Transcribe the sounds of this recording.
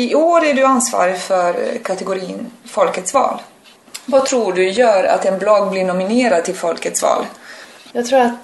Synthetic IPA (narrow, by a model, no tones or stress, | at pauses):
ɪoːɾæɖɵansvɑ̰ːɾɪfœɾkʰat̪ɛɡʊɾiːnfɔlkət̪svɑ̰ːl | vat̪ʰɾuːɖɵjœːɾa̰t̪ɛnblɔɡːblɪɳʊmɪneːɾad̪t̪ʰɪlfɔlkət̪svɑ̰ːljɑːɡt̪ʰɾuːat̪